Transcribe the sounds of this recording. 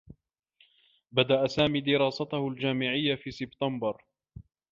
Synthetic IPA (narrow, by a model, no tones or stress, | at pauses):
bad̪aʔasaːmiːd̪ɪɾɑːsat̪ahʊld͡ʒaːmɪʕɪjːafiːsɪbt̪ambɑɾˤ